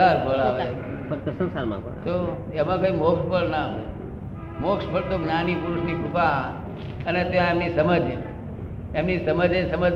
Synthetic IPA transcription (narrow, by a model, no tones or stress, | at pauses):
aɾpəɭaʋe | sənsaɾmã̰pə̰t̪o | emãkoimokʃpəɭname | mokspʰəɭt̪oɡnanipuɾuʃnikʰupaa | ənet̪eãemnisəməd͡ʒe | emnisəməd͡ʒesəmə